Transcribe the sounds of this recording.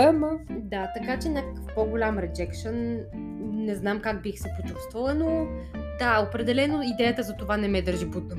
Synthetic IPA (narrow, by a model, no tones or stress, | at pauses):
ɛməd̪at̪ɐkat͡ʃɛnʲakə̥kə̥fpoɡʊlʲamɾɛd͡ʒɛkʃən | nɛznamkaɡ̚bixsɛpot͡ʃu̥st̪vəlˠənod̪aopɾɛd̪ɛlɛnoid̪ɛjət̪əzɐt̪ovanɛmɛd̪əɾʒibut̪ə